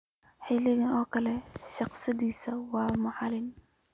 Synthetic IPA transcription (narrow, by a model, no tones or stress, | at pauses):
ħɪlɪɣɪnɔːkʰɐlɛʃɑqsɪðiːsɐwɑːmʊʕalɪm